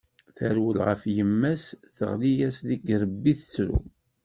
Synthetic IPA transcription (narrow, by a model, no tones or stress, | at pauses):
θəɾwəlʁə̰fjəmːæsθəʁlijæsðiɡɾəbːiθt͡sːɾṵ